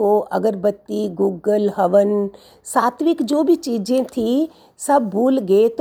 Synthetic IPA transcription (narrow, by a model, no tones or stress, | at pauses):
oʔɐɡəɾbət̪ːiɡuːɡəlɦɐʋən | saːt̪ʰʋɪkd͡ʒoːbʱit͡ʃiːd͡ʒẽt̪ʰi | sɐbːuːlɡet̪